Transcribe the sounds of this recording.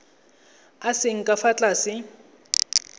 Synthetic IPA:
asɪŋ̩kʼafat͡ɬʼasɪ

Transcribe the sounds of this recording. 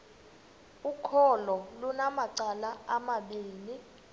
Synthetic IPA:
ukʰɔlɔlunamaǀalaamaɓiːni

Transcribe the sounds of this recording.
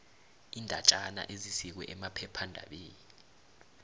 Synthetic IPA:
iːndʱat͡ʃʼana̰ʔezisik̬wɛ̰ʔɛmapʰɛpʰandʱa̰ɓeːnii

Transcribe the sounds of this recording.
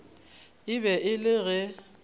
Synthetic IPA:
ɪbɛʔɪlɪɣɛ

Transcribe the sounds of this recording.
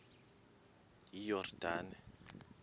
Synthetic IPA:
jijɔrd̥aːnɛ

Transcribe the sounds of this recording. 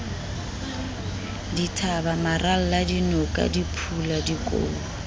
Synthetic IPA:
ditʰabamarʔal̩ladinɔkʼa̰dipʰuladikʼo̰ː

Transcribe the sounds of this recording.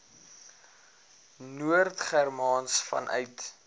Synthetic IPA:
nuərtχærmɑːnsfɐ̰nʔœ̰ɥt

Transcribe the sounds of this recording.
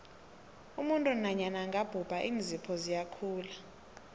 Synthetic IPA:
umuntʼunaɲanaŋɡʱab̥ʱub̥ʱaʔiːnd͡zʱipʰɔzijakʰuːla

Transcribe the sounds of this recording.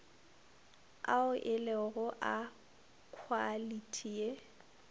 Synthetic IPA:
a̰ʊʔɪleɣʊʔa | kʰwalitʰie

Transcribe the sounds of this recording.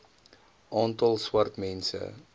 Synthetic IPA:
ʔɑːntɐlˠswɐrtmɛnsə̰

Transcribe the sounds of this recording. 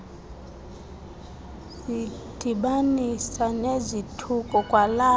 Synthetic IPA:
zid̥ʱiɓanisanezitʰukʼɔkʼwala

